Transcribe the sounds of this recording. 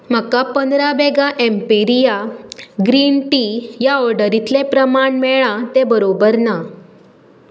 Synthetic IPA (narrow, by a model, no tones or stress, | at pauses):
m̤əkapənd̪ɾabɛɡaʔɛmpeɾijaɡɾinʈijaɔɾɖəɾit̪lepɾəmaɳmɛɭ̃ãt̪ebəɾobəɾna